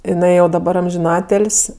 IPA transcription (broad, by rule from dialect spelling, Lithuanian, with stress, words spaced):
jɪˈnɐɪ jɛʊ dɐˈbɐr ɐmʲʒʲɪˈnɑːtʲeːlʲsʲ